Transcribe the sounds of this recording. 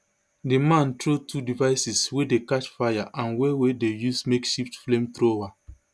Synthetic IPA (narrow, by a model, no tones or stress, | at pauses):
dimãntɹotʰudivaɪsiswedekaʃfajaʔãnwewedejusmekʃiftflẽmtɹowa